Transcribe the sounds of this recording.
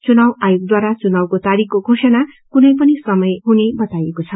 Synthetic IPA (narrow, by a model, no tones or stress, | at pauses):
t͡sunawajoɡ̚d̪waɾat͡sunawkot̪aɾikkoɡʱosʌnakunʌjpʌnisʌmʌjɦunebʌt̪ajekot͡sʰʌ